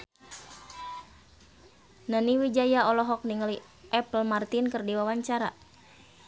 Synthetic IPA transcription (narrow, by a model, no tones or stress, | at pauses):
naniwid͡ʒajaɔlɔɦɔk̚niŋəli | ʔɛplmart̪inkərdiwawaɲt͡ʃaɾa